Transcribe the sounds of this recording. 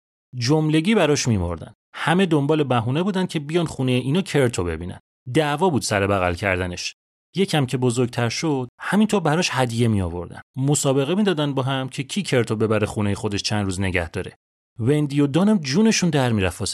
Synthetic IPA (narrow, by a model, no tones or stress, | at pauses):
d͡ʒomle̞ɟiːbæɾɒʃmimo̞̰ɾd̪æ̰nd̪̥hæme̞d̪o̞mbɒːle̞bæɦuːne̞buːd̪ænd̪cʰe̞bijɒːnχuːnejeʔiːnɒːcʰe̞ɾt̪ʰo̞be̞̰biːnæ̰n | d̪ævɒːbuːd̪sæɾebæɣæ̰lcʰæ̰ɾd̪æne̞ʃ | je̞cʰæmcʰe̞bo̞zo̞ɾɡt̪ʰæɾʃod̪̥hæmint̪ʰoːɾbæɾɒːʃhæd̪ije̞miɒ̰ːvo̞̰ɾd̪æ̰nd̪mo̞sɒːbe̞ɣemiːd̪ɒːd̪ænd̪bɒɦæmcʰe̞cʰiːcʰe̞ɾt̪ʰobe̞bæɾexunejexo̞d̪eʃt͡ʃʰænd̪ɾuːzne̞ɟæ̰hd̪ɒːɾe | ve̞nd̪ijod̪ɒːnæmd͡ʒuːne̞ʃund̪æɾmiːɾæfɒs